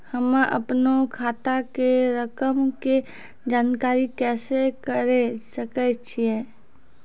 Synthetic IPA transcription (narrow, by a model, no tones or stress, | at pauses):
həmʔɐ̰pnokʰaːt̪akeɾəkəmke | d͡ʒaːnkaːɾikɛːsekəɾesəkət͡ʃʰie